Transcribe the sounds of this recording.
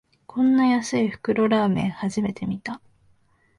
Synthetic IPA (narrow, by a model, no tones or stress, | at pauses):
kʰõ̞nːajasɨiɸɯ̟̥kɯ̟ɾo̞ɾaːmẽ̞ɰ̃haʑime̞t̪e̞mʲit̪a